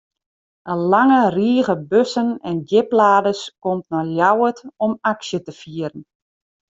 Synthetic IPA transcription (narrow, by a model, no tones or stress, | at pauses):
ʔəlaŋəriəɣəbøsənɛndɪplaːdəskɔmtnɔljawətɔmaksjətəfiəɾən